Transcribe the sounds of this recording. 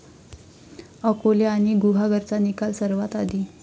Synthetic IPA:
əkolaañiɡuɦaɡəɾt͡sanikalsəɾʋat̪ad̪i

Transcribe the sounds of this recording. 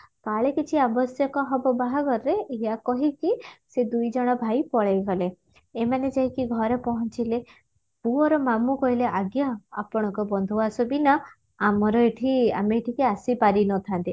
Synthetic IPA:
kaɭekit͡ʃʰiabɔsjɔkɔɦɔbɔbaɦaɡɔɾːeːjakɔɦikised̪ujd͡ʒɔɽ̃ɔbʱajpɔɭejɡɔleː | maned͡ʒaɦĩkiɡʱɔɾepɔɦɔnt͡ʃile | puɔɾɔmamukɔɦileʔaɡjaa̰pɔɽ̃ɔ̃ŋkɔbɔnd̪ʱuasubina | amɔɾɔeʈʰia̰meːʈʰikeasipaɾinɔt̪ʰant̪i

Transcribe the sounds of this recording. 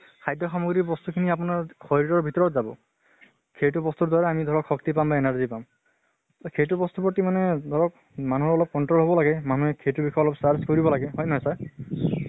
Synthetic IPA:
kʰajdʱɔxamɔɡɹibɔst̪ukʰiniap̬ʊnaɹxɔɹitɔɹbʱitɔɹɔtzabɔ̰ | kʰejtubɔst̪uɹdwaɹɛamid̪ʱɔɹɔkxɔk̚t̪ipambaenaɹzipam | sɔkʰejtubɔst̪upɔtimanɛd̪ʱɔɹɔk | manuɦɔɹɔlɔp̚kɔntɹɔlɦɔbɔlaɡɛmanuɦɛkʰetubikʰɔjɔlɔpsaɹskoɹibɔlaɡɛɦɔjnɦɔjsa

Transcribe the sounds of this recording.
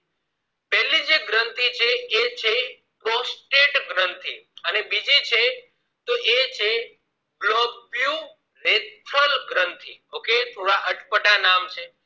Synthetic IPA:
pɛɦlid͡ʒeɡɾənt̪it͡ʃʰeet͡ʃʰe | pɾosʈeʈɡɾənt̪ʰiənebid͡ʒit͡ʃʰe | t̪oʔet͡ʃʰe | ɡlɔɡbju | ɾet̪ʰəlɡɾənt̪ʰḭoket̪ʰoɽaʔəʈpəʈanamt͡ʃʰe

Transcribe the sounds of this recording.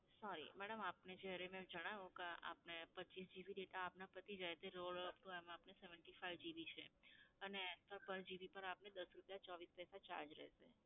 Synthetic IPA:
sɔɾḭmɛɽəmapned͡ʒəɾemɛ̃d͡ʒəɽ̃aʋũkea̰pnepətːt͡ʃisd͡ʒiʋiɖeʈaːpnapət̪id͡ʒajt̪eɾoɭəpʈũɛmãapneseʋəɳʈifaiʋd͡ʒiʋit͡ʃʰeənestəɾpəɾd͡ʒiʋipəɾapned̪əsɾupjat͡ʃɔʋispɛsat͡ʃa̰ɾd͡ʒɾɛ̰ʃe

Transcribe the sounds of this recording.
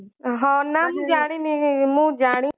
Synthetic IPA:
ɦãːnamũːd͡ʒaːɽ̃inĩĩmũːd͡ʒaːɽ̃i

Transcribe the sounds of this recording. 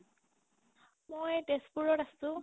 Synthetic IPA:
mojdespuɹɔtasʊ̃

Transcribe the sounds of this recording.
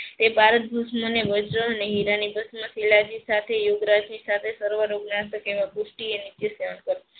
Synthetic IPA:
t̪ebʱaɾət̪̚bʱəsməneʋəd͡ʒɾəəneɦiɾanibʱəsməsilad͡ʒisat̪ʰejoɡɾad͡ʒmisat̪ʰesəɾʋəɾoɡnat̪əkeʋãkusʈienit̪jəseʋənkəɾ

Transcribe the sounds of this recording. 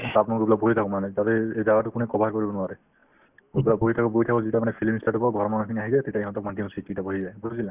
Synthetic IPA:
tapnɔɡubilaboɦitʰakɔ̃manɛtatɛejdawatʊkʊnɛkɔbʱaɹkɔɹibɔnʊaɹɛ | kubilaboɦitʰakɔboɦitʰakɔzitamanɛpʰilmistʰatubɔɡʱɔɹmanɔkʰiniaɦizatetaiɦɔ̃t̪ɔk̚madʱimsititaboɦizajbʱoɦisilɛ̃

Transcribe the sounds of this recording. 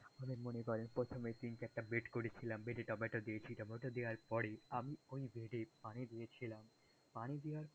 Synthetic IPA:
amemonekɔɾenpɾot̪ʰomet̪inkeɛk̚ʈabeʈkoɾet͡ɕʰilambeʈeʈɔmeʈod̪ijet͡ɕʰiʈɔmeʈod̪ewaɾpɔɾeamiojbʱeɖepañid̪ijet͡ɕʰilam | panid̪ewaɾ

